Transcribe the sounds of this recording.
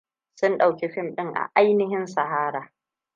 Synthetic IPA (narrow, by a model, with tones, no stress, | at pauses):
sʊ˦nɗa˨wkʲe˦ɸɪ˦mɗɪ˦ŋʔa̰˨ʔa˦jnɪ˦ɦɪ˦nsa˨ɦaː˦ɾaː˨